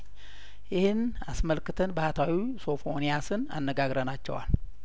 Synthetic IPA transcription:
jɪhɨn | asməlkɨt̪ʰɨnbəhat̪ʰawiso̞fo̞nijasɨna̰nːəɡaɡɾənat͡ʃːɛ̰wa̰l

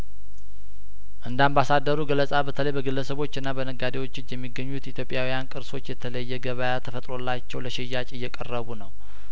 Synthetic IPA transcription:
ʔɨnd̪ambasad̪ːəɾuɡələsʼabət̪ʰələjbəɡɨlːəsəβo̞t͡ʃːɨnːabənəɡad̪ewo̞t͡ʃːɨt͡ʃːjɛmːiɡːəɲːut̪it̪ʰjo̞pʼɪjawijankʼɨɾso̞t͡ʃːjɛt̪ʰələjːɛɡəβəjat̪ʰəfət̪ʼɾo̞lːat͡ʃːɛwləʃɪjːat͡ʃʼɨjːɛkʼərːəβunəw

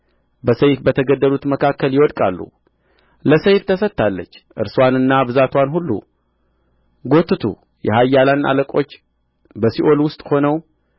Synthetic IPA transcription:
bəsəjfbət̪ʰəɡəd̪ːəlut̪məkʰakːəljɪwɔd̪kʼalːṵ | ləsəjft̪ʰəsət̪ːalːə̰t͡ʃːʔɨ̰ɾswanɨnːabɨzat̪ʰwanhulːṵ | ɡo̞t̪ʰːɨt̪ʰṵ | jɛhajːalana̰ləkʼo̞t͡ʃː | bəsiʔo̞lwʊst̪ʼho̞nəw

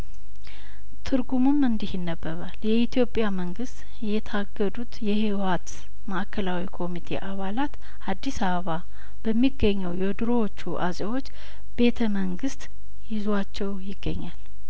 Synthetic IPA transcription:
t̪ʰɨɾɡumɨmɨnd̪ihɪnːəbːəβaljɛit̪ʰjo̞pʼjaməŋɡɨst̪ | jɛt̪ʰaɡːəd̪ut̪jɛhiwat̪ | məʔkʰːəlawikʰo̞mit̪ʰe̞̰ʔaβalat̪ | ad̪ːisaβəβa | b̥əmːiɡːəɲːɛwjɛd̪ɾowot͡ʃːuʔa̰sʼewo̞t͡ʃː | b̥e̞t̪ʰəməŋɡɨst̪ | jɪzwat͡ʃːɛwjɪɡːə̰ɲːal

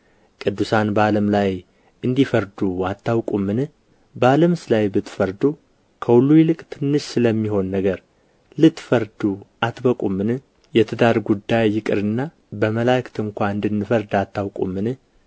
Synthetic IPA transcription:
kʼɨd̪ːusanbəaləmlaj | ʔɨnd̪ifəɾd̪uat̪ːawkʼumːɨnɨ | bəaləmsɨlajbɨt̪ːfəɾd̪u | kʰəwulːujɪlɨkʼt̪ʰɨnːɨʃsɨləmːiɦo̞nːəɡəɾ | lɨt̪ːfəɾd̪uat̪bəkʼumːɨnɨ | jɛt̪ʰɨd̪aɾɡud̪ːajːɪkʼɨɾɨnːa | bəməlakʰt̪ʰɨŋkʷaɨnd̪ɨnːɨfəɾd̪at̪ːawkʼṵmːɨnɨ

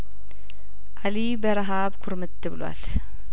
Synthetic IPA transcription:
ʔalibəɾaɦabkʰuɾmɨt̪ːɨbɨlwa̰l

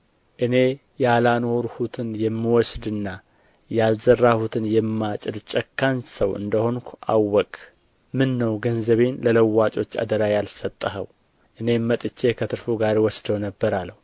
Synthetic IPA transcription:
ʔɨne̞ | jalano̞ɾhut̪ʰɨnjɛmːiwɔsd̪ɨnːa | jalzərːahut̪ʰɨnjɛmːat͡ʃʼɨlt͡ʃʼɛkːansəwɨ̰nd̪əho̞nkʷʰuʔa̰wːɔkʼ | mɨnːəwɡənzəβe̞nlələwːat͡ʃʼo̞t͡ʃːa̰d̪əɾajalsət̪ʼːəɦə̰w | ʔɨne̞mmət̪ʼɨt͡ʃːe̞kʰət̪ʰɨɾfuɡaɾwɔsd̪əwnəbːəɾalːəhu

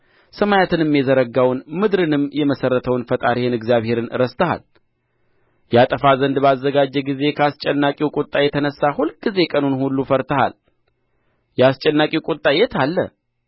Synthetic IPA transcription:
səmajat̪ʰɨnɨmːjɛzəɾəɡawnmɨd̪ɾɨnɨmjɛməsərːət̪ʰəwnfət̪ʼaɾihɨnɨɡzjaβhe̞ɾɨnɨɾəst̪ʰəha̰l | jat̪ʼəfazənd̪bəazːəɡad͡ʒːɛɡize̞kʰəast͡ʃʼɛnːakʼiwkʼot̪ʼajɛt̪ʰənəsːahulɡize̞kʼənunhulːufəɾt̪ʰəha̰l | jɛast͡ʃʼɛnːakʼiwkʼot̪ʼːajɛt̪ʰalːə̰

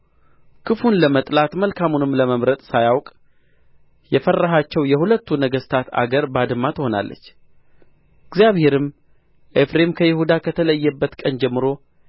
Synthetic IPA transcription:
kʰɨfunləmət̪ʼlat̪məlkʰamunɨmːləməmɾət̪ʼsajawkʼ | jɛfərːaɦat͡ʃːɛwjɛhulət̪ːunəɡəst̪ʰat̪a̰ɡəɾbad̪ɨmːat̪ho̞na̰lːə̰t͡ʃː | ɨɡzjaβhe̞ɾɨm | ʔefɾe̞mkʰəjɪhud̪akʰət̪ʰələjːɛbːət̪kʼənd͡ʒɛmːɨɾo̞

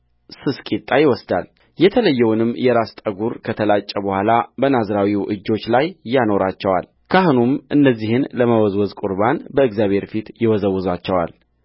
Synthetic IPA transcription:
sɨskʼit̪ʼːajɪwɔsd̪al | jɛt̪ʰələjːɛwnɨmːjɛɾast̪ʼəɡuɾkʰət̪ʰəlat͡ʃʼːɛbəhʷalabənazɾawiwʔɨd͡ʒːo̞t͡ʃːlajːano̞ɾat͡ʃːɛwa̰l | kʰahunumʔɨnːəzːihɨnləməwɔzwɔzkʼuɾbanbəɨɡzjaβʱhe̞ɾfit̪jɪwɔzəwːɨzat͡ʃːɛwa̰l

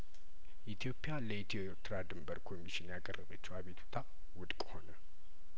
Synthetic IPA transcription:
ʔit̪ʰjo̞pʼːjaləit̪ʰioɾt̪ʰɾad̪ɨmbəɾkʰo̞miʃinjakʼərːəβət͡ʃːɛwaβet̪ʰu̥t̪ʰa | wʊd̪ʼkʼho̞nə

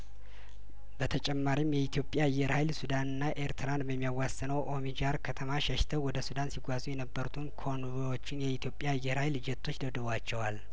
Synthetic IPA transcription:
bət̪ʰət͡ʃʼɛmːaɾimjɛit̪ʰijo̞pʼjaɨjːɛɾhajlsud̪anɨnːaʔeɾt̪ʰɨɾanbəmːijawːasɨnəwʔo̞mid͡ʒaɾkʰət̪ʰəmaʃɛʃt̪ʰəwwɔd̪əsud̪ansiɡʷazʼujɛnəbːəɾut̪ʰunkʰo̞nβewo̞t͡ʃːɪnjɛit̪ʰjo̞pʼjajːɛhɾhajld͡ʒɛt̪ʰːo̞t͡ʃːd̪əd̪əβwat͡ʃːɛwal

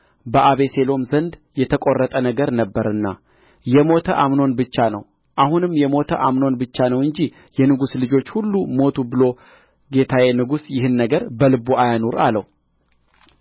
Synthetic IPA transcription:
bəʔaβe̞se̞lo̞mzənd̪jɛt̪ʰəkʼo̞rːət̪ʼənəɡəɾnəbːəɾɨnːa̰ | jɛmo̞t̪ʰəʔamno̞nbɨt͡ʃːanə̰w | ʔahunɨmjɛmo̞t̪ʰə̰ʔamno̞nbɨt͡ʃːanəwɨɲd͡ʒi | jɛnɨɡuslɨd͡ʒo̞t͡ʃːhulːumo̞t̪ʰubɨlo̞ | ɡe̞t̪ʰawe̞nɨɡusjɪhɨnːəɡəɾbəlɨboʔajanoɾaləw

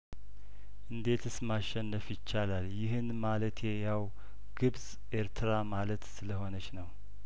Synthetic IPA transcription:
ʔɨnd̪e̞t̪ʰɨsmaʃɛnːəfjɪt͡ʃːalaljɪhɨnmalət̪ʰjɛjaw | ɡ̥ɨbz̥ | ʔeɾt̪ʰɨɾamalət̪sɨləho̞nət͡ʃnəw

